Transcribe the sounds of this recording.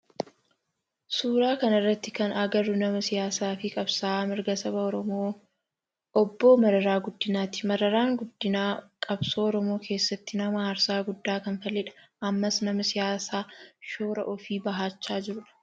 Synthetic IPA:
suːɾaːkɐnɐrːɐt̪ːɪkɐnɐɡɐɾːʊnɐmɐsɪjaːsaːfɪkʼɐbsaːmɪɾɡɐsɐbɐɔɾɔmoː | ɔbːoːmɐɾɐɾaːɡʊd̪ːɪnaːt̪ɪ̥mɐɾɐɾaːŋɡʊd̪ːɪnaːkʼɐbsoːɔɾɔmoːkʰe̞ːsːɐt̪ːɪnɐmɐhɐɾsaːɡʊd̪ːaːkɐnfɐlːɪᶑɐ̥ʔɐmːɐsnɐmɐsɪjaːsaːʃoːɾɐʔɔfiːbɐɦaːt͡ʃːaːd͡ʒɪɾʊᶑɐ̥

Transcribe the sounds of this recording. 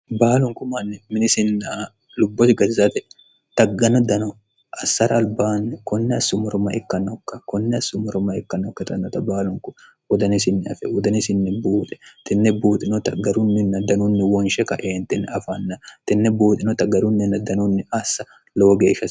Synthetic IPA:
baːlʊŋkʊmɐnːɪmɪnɪsɪnːɐ | lʊbːɔt̪ɪɡɐzɐt̪ɛ | t̪ɐɡːɐnɔd̪ɐnɔ | ʔɐsːɐɾɐːlbaːnːɛkɔnːɛɐsːʊmɔɾɔmɐ̰ʔɛkːɐnɔkːɐkɔnːɛɐsːʊmɔɾɔmɐɪkːɐnːɔkːɐt̪ɐnːɔt̪ɐbaːlʊŋkʊ | wɔd̪ɐnɪsɪnːɪɐ̰fɛwɔd̪ɐnɪsɪnːɪbuːt̪ʼɛ̥t̪ɪnːɛbuːt̪ʼɪnɔt̪ɐɡɐɾʊnːɪnːɐd̪ɐnʊnːɪwɔnʃɛkɐʔeːnt̪ɪnɐfɐnːɐt̪ɪnːɛbuːt̪ʼɪnɔt̪ɐɡɐɾʊnːɪnːɐd̪ɐnʊnːɪʔɐsːɐ | loːɡeːʃːɐ

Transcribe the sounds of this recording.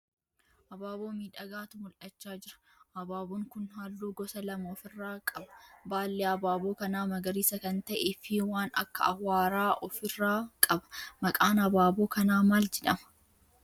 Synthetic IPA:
ʔɐbaːboːmiːᶑɐɡaːt̪ʊmʊlʔɐt͡ʃːaːd͡ʒɪɾɐ̥ | ʔɐbaːboːŋkʊnhaːlːuːɡɔsɐlɐmoːfɪrːaːkʼɐbɐ̥baːlːeːɐbaːboːkɐnaːmɐɡɐɾiːsɐkɐnt̪ɐʔefɪwaːnɐ̰kːɐ̰ɐhwaːɾaːʔɔfɪrːaːkʼɐbɐ̥mɐkʼaːnɐbaːbo̞ːkɐnaːmaːld͡ʒɛᶑɐmɐ̥

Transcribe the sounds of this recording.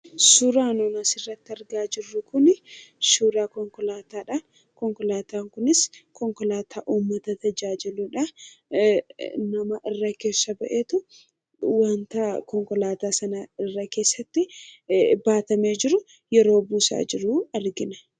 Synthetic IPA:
suːɾaːnoːnɐsɪrːɐt̪ːɪɐɾɡaːd͡ʒɪrːʊkʊnɪʃuːɾaːkɔŋkɔlaːt̪aːᶑa | kɔŋkɔlaːt̪aːŋkʊnɪskɔŋkɔlaːt̪ʰaːʔuːmːɐt̪ɐt̪ɐd͡ʒaːd͡ʒɪluːᶑɐ | nɐmɐʔɪrːɐke̞ːsːɐbɐʔeːt̪ʊ | wɐnt̪ɐkɔŋkɔlaːt̪aːsɐnɐɪrːɐke̞ːsːɐt̪ːɪ | baːt̪ɐmeːd͡ʒɪɾʊ | jɛɾo̞ːbuːsa̰ːd͡ʒɪɾuɐɾɡɪnɐ

